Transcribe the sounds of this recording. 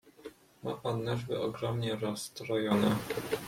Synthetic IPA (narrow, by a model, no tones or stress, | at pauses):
ma̰panːɛʐbɘɔɡɾɔmɲɛɾɔst̪ɾɔjɔnɛ